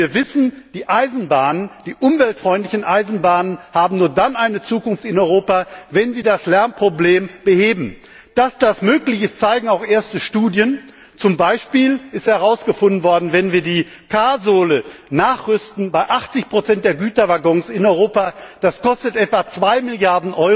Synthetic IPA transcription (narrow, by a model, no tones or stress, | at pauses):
iːɐvɪsn̩d̥iːʔaɪzn̩baːnənd̥iːʔʊmvɛltfʁ̥ɔʏntlɪçn̩ʔaɪzn̩baːnənhaːbm̩nuːɐdanʔaɪnət͡suːkʊnftɪnɔʏʁoːpavɛnziːdaslɛɐnpʁ̥obleːmb̥əheːbm̩ | d̥asd̥asmøːklɪçɪst͡saɪɡŋ̩aʊxʔeːɐstəʃtuːdjən | t͡sʊmbaɪʃpiːlɪsthɛʁ̞aʊsɡ̥əfʊndn̩vɔɐdn̩vɛnviːɐdiː | kʰaːzoːlənaːχʁʏstn̩baɪʔaχt͡sɪçpʁ̥ot͡sɛnt̚d̥eːɐɡyːtɐvaɡɔŋsɪnɔʏʁoːpad̥askɔstətʔɛtv̥at͡sv̥aɪmɪljaɐdn̩ʔɔʏ